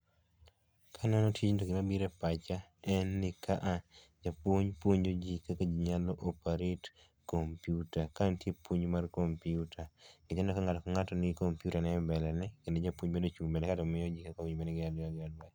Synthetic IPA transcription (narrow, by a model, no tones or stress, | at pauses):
kʰanɛnɔtʰit͡ʃndoɡɪmabiɾɛpat͡ʃaɛnːɪkʰaʔa | d͡ʒapwoɲpwoɲd͡ʒod͡ʒikaked͡ʒiɲalɔʔɔpaɾet | kompiutakantjepwoɲmarkompiutaɡɪt͡ʃanɔkaŋatɔkaŋatɔnɪkompjutanɛbɛlɛnɛkendod͡ʒapwoɲbendot͡ʃumbɛlɛkatɔmɪjɔd͡ʒikakawiɲbenɪɡɪadaɡɪalwa